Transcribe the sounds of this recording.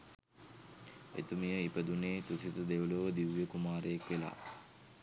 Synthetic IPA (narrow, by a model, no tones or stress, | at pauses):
ḛt̪umijəipəd̪uneːt̪usit̪əd̪eʋəloʋəd̪iʋjəkumaːɾəjakʋela̰ː